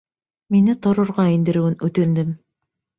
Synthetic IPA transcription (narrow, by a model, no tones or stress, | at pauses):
minɘt̪ŏɾŏɾʁɑind̪ɘ̆ɾɘ̆wɘnʉt̪ɘ̆nd̪ɘm